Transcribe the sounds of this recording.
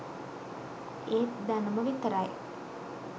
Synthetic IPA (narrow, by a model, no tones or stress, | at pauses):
eːt̪d̪anəməʋit̪əɾaje